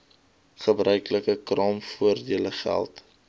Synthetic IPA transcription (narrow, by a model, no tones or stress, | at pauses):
χəbrœɥkləkəkrɑːmfuərdiələχæ̰lˠt